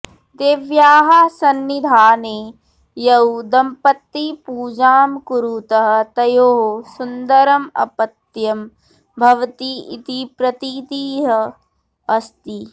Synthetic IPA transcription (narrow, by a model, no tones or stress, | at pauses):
d̪eːʋjaːɦɐsɐnːid̪ʱaːneː | jɐwd̪ɐmpɐt̪ːipuːd͡ʒaːmkuɾut̪ɐɦɐ̆t̪ɐjoːɦosund̪ɐɾɐmɐ̰pɐt̪jɐm | bʱɐʋɐt̪iḭt̪ipɾɐt̪it̪iːɦɐ | ɐst̪i